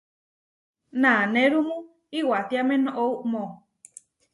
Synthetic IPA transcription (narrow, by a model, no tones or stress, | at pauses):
nãnẽɾumũ | iwat̪iamẽnoʔouʔmõ